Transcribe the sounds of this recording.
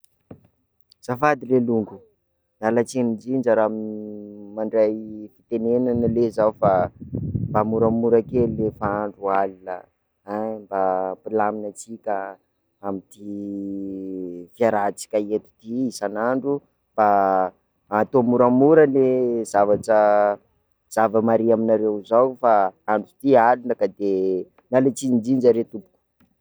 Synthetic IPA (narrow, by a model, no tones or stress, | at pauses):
z̥afad̪ileluŋɡu | nalat͡senid͡ʒind͡ʒaɾaminmaɳɖ͡ʐajfit̪enenanəlezaufa | bamuɾamuɾakellefaaɳɖ͡ʐualilə | ambapilaminat͡sikʲa | amit̪i | fiaɾat͡si̥kʲaet̪u̥t̪iisanaɳɖ͡ʐu | b̥a | at̪omuɾamuɾəlezavaʈ͡ʂə | z̥avəmaɾiaminaɾewzawfaaɳɖ͡ʐut̪ialunəkad̪e | nalet͡sinid͡ʒind͡ʒaɾet̪upu̥ku̥